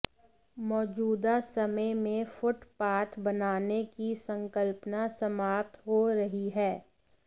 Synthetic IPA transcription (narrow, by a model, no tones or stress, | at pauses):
mɔːd͡ʒuːd̪asɐməjmẽfʊʈpaːt̪ʰbɐnaːnekisɐ̃ŋkəlpnasɐmaːp̚t̪ɦoɾɐɦiɦɛː